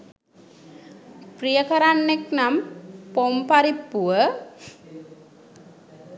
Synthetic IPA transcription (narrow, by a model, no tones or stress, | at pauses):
prijəkaɾanːeknampompaɾipːuʋə